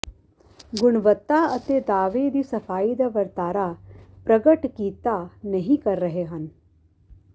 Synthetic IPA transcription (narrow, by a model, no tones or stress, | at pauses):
ɡʊɽ̃ʋət̪ːaɐt̪ed̪aːʋed̪iːsɐfʰaːid̪aʋɐɾt̪aːɾapɾəɡəʈkiːt̪anɐɦĩkɐɾːəɦeɦən